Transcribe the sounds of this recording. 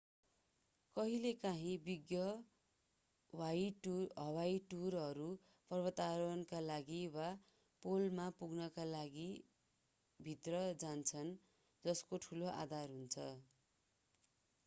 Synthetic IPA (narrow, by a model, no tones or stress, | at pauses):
kʌɦilekaɦĩbiɡjʌ | wajʈɦʌwajʈurʌɾu | pʌrbʌt̪aɾʌnkalaɡiwa | polmapuɡnʌkalaɡi | bʱit̪rʌd͡zant͡sʰʌn | d͡zʌskoʈʰuloʔa̰d̪ʱarɦunt͡sʰʌ